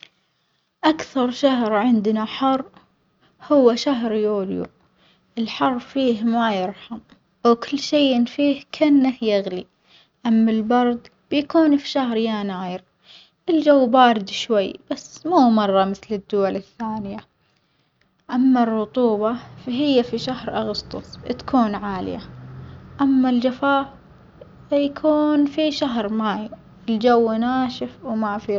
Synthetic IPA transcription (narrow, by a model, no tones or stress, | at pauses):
ʔakθɑɾˤʃaɦɾʕɪnd̪naħɑrˤː | hʊwːaʃaɦɾjuːljṵ | ʔɪlħɑrˤːfiːhmajɪɾħam | wkʊlːʃejʔɪnfiːhkʰanːahjaɣli | ʔamːalbɑɾˤd̪ˤ | b̥jakuːnfi̥ʃahɾjaːnaːjɪɾ | ʔɪld͡ʒawːbaːɾɪd̪ʃwajːb̥asːmuːmɑrˤːɑmɪθlɪd̪ːʊwalɪθːaːnɪja | ʔamːarˤːʊt̪ˤuːbɑfaɦɪjːafiʃahɾʔɑɣʊst̪ˤʊ̰sˤt̪ḁkʰuːnʕaːlja̰ | ʔamːald͡ʒafaː | ajkʰuːnfiʃaɦɾmaːj | ɪld͡ʒawːnaːʃɪfwmafi